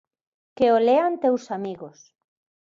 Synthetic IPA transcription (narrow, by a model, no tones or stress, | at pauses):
keoleant̪ewsamiɣos